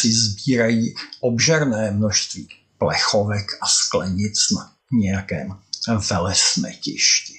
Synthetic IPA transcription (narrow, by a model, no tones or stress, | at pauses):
sɪzbiːɾajiːʔobʒɛɾnɛːmnoʃst̪viː | plɛxovɛkʔasklɛɲɪt͡sna | ɲɛjakɛːmvɛlɛsnɛ̰ːcɪ̰ʃcɪ